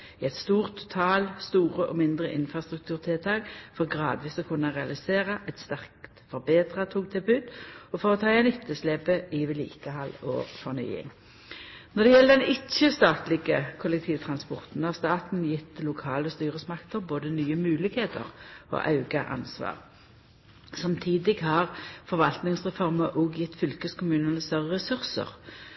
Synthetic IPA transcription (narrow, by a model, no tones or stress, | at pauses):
ɪɛt̪st̪uːʁt̪ʰːʊ̥t̪ʰɑːlst̪uːʁəʔɔmɪnd̪ʁəʔɪ̰nfʁɑst̪ʁʉk̚t̪ʰʉːʁt̪ʰɪlt̪ʰɑːkfɔʁɡʁɑːd̪ʋiːsɔkʰʊnːəʁɛɑlɪseːʁəʔɛt̪st̪æʁk̚tt̪fɔʁbeːd̪ʁɑt̪ʰuːk̚t̪ʰɪbʉːd̪ɔfoːʁət̪ʰɑːɛnɪt̪ʰːəslɛbəiʋɪlḭːkəhɑlɔ̰ːfɔʁny̰ːɪ̰ŋ | nɔʁd̪ɛjɛlːəd̪ɛnɪt͡ʃːəst̪ɑːt̪lɪɡəkʰʊlɛk̚t̪ʰiːʋt̪ʰʁɑnspɔʁt̪n̩hɑʁst̪ɑːt̪n̩jɪt̪ːlʊkʰɑːləst̪yːʁəsmɑkt̪əʁboːd̪ənyːəmʉːlɪkheːt̪ʰə̰ʁo̰ːʔɑʉɡɑʔɑ̰nsʋɑ̰ːʁ | sɑmt̪ʰiːd̪ɪɡhɑːʁfɔʁʋɑlt̪nɪŋsʁɛfɔʁməʔoːɡjɪt̪ːfʏlkəskʰʊmʉːnənəst̪œʁəʁɛsʉʁsə̰ʁ